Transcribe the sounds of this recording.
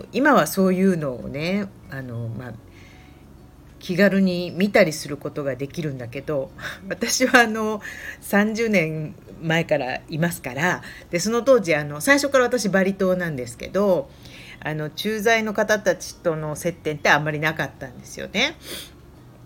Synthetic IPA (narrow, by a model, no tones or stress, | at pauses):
imaβ̞aso̞ːjɯ̟ːno̞̰ːne̞ | ano̞ma | kʲʰiɡaɾɯ̟ɲ̟imʲit̪aɾʲisɨɾɯ̟ko̞t̪o̞ɡad̪e̞kʲiɾɯ̟̃nd̪ake̞d̪o̞βat̪aɕiβaːno̞sãɲ̟d͡ʑɨːnẽ̞ŋ | mae̞kaɾa̰imasɨ̥kaɾad̪̥e̞so̞no̞t̪o̞ːd͡ʑiano̞saiɕo̞kːaɾaβat̪aɕibaɾʲit̪o̞ːnãnd̪e̞sɨ̥ke̞d̪o̞ | ano̞t͡ɕɨːzaino̞kat̪at̪at͡ɕi̥t̪o̞no̞se̞t̪ːẽ̞nt̪e̞ãmːaɾʲinakat̪ːãnd̪e̞sɨjo̞̰ne̞